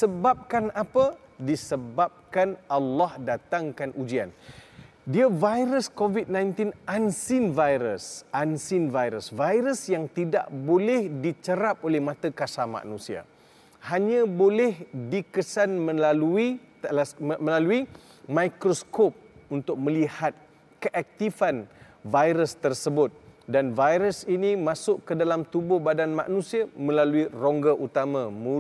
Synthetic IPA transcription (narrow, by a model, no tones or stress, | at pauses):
səbap̚kanapədisəbap̚kanalːɑhdat̪aŋkanʔud͡ʒia̰n | diavajɾəskovit̪̚nãjnt̪inʔansɪnvajɾəsʔansɪnvajɾəsvajɾəsjaŋt̪ida̰ʔbolɛhdit͡ʃəɾap̚olɛhmãt̪akasama̰ʔnũsia̰ | haɲãbolɛhdikəsanmə̃lalui | məlalui | mãjkɾoskop̚unt̪ʊk̚mə̃lihat̪̚ | kəʔɛk̚t̪ifan | vajɾəst̪ərsəbʊt̪̚danvajɾəsinimãsʊʔkədalamt̪ubʊhbadanmã̰ʔnũsiamə̃laluiroŋɡaʔut̪amãmũ